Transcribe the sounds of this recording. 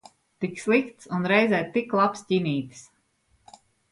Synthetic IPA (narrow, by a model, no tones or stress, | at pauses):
t̪ikslˠikt̪sunɾɛjzɛːt̪iklˠapsciniːt̪s